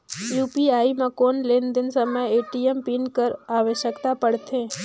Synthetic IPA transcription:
juːpiaːimãkoːnlend̪ɪnsəməjeːʈiempinkəɾaːʋeʃjəkt̪apəɽt̪ʰẽː

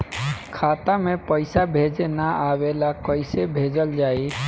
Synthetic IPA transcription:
kʰat̪amẽpəɪsabʱed͡ʒenaʔawelakəɪsebʱed͡ʒəld͡ʒai

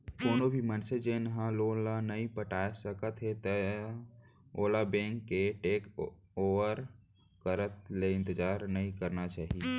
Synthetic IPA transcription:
koːnobʱimənsed͡ʒenəɦãloːlanəɦĩpəʈaːsəkət̪ɦet̪ə | oːlabẽːŋkːeʈeːk | oːʋəɾ | kəɾət̪leɪ̃nt̪əd͡ʒaːɾnəɦĩkəɾnat͡ʃaːɦie

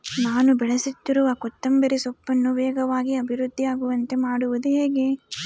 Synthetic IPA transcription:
naːnubɛɭɐsit̪ːiɾuʋɐkɔt̪ːɐmbɐɾisɔpːɐnːuʋɛːɡɐʋaːɡiɐbʱiɾud̪ʱːijaːɡuʋɐnt̪e̞maːɽuʋud̪uɦeːɡe

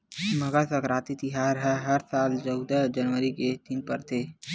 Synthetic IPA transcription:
məɡasəkɾaːt̪it̪ɪɦaːɾɦɛɦɐɾsaːlt͡ʃəʊd̪əd͡ʒənʋəɾiket̪inpəɾt̪ʰeː

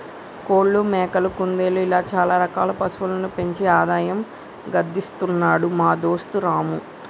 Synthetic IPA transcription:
koːɽːumɛːkɐlukund̪eːluilaːt͡ʃaːlaːɾɐkaːlɐpɐsuʋulɐnupe̞ɲt͡ʃeːaːd̪aːjɐm | ɡɐd̪ːist̪unːaːɽumaːd̪o̞ːst̪uɾaːmu

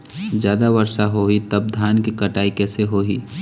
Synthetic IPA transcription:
d͡ʒjaːd̪aʋəɾʃaɦoːit̪ɐb̚d̪ʱjaːnkikɐʈaːikɛːseɦoːɦiː

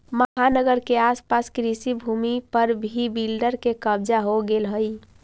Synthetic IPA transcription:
məɦanəɡəɾkeaspaskɾisibʱumipəɾbʱibilɖəɾkekəbd͡ʒaɦoɡelɦəj

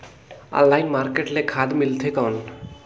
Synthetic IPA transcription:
ɔ̰̃llajnmaɾkeʈlekʰad̪milt̪ʰekɔn

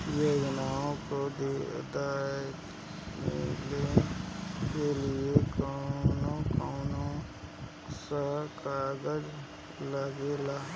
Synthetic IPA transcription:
joːd͡ʒnaːõkod̪ḭd̪aːjjət̪ | mɪ̰le | keliekanõkaːnõ | sakaɡəd͡ʒ | ləɡelaː

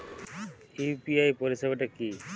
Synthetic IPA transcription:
ipiajpoɾisebaʈaki

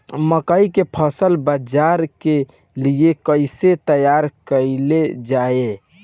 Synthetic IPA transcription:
məkəikepʰəsəlbəd͡ʒaɾke | liekəɪset̪əjaɾkəɪled͡ʒae

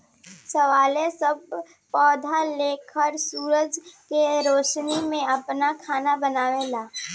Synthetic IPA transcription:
səʋaːlẽsəb̚ | pɔːd̪ʱaleːkʰəɾsuːɾəd͡ʒkeɾoːʃnimẽɐpnakʰaːnabənaːʋẽlaː

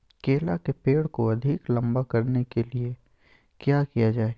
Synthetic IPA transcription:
keːlakepeːɽkoɐd̪ʱɪklɐ̃mbakɐɾnekelie | kjaːkijad͡ʒaːeː

